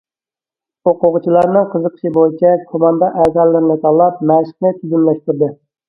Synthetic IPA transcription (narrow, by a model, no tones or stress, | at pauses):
oqʊʁʊt͡ʃʰilˠɑɾnɨŋqʰəzəqʰə̥ʃibojit͡ʃʰɛkʰomɑnd̪ɑʔɛzɑlːɪɾɪnɪt̪ʰɑlˠɑp̚mæʃə̥χnɪt̪ʰyd̪ymlɛʃt̪ɪɾd̪ɪ